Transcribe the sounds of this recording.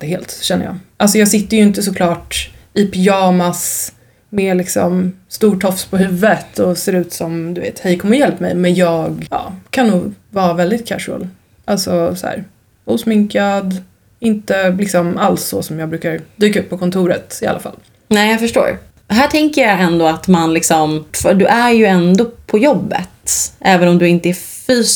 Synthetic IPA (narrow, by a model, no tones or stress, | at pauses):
ɛheːlt̪ɕɛnːə̰jɑ̰ːʔalsɔjɑːɡsɪt̪ːəɾjɵɪnt̪əsɔkʰlɑːʈɪpʰɪɑːmas | meːlɪksɔ̰mst̪uːʈʰɔfspʰɔɦʉ̟ːvːət̪ʰɔseːɾʉ̟ːt̪sɔmd̪ɵvḛːt̪hɛjkʰɔmːəɾjɛlpːmɛ̰jmɛnjɑːɡɑ̰ːkʰanːuːɡvɑːɾavɛld̪ɪt̪̚kʰæʂɛ̰l | ʔalsɔsæ̰ːɾ | uːsmɪŋkad̪ | ɪnt̪əlɪksɔmaltsɔsɔmjɑːɡbɾʉ̟ːkaɾd̪yːkaɵpːɔkʰɔnt̪ʰuːɾət̪ɪa̰lʔa̰fa̰lː | nɛːjafœʂʈo̰ːɾ | ɦæːʈʰɛŋkəɾjaɛnd̪oːat̪manlɪksɔmfd̪ɵʔæjɵɛnd̪oːpʰɔjɔbːə̰t̪ʔɛːvənɔmd̪ɵɪnt̪əæfyːs